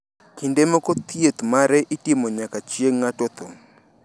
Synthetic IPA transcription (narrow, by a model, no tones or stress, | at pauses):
kindemɔkot̪jet̪maɾɛʔitimoɲakat͡ʃjeŋːatɔt̪ʊm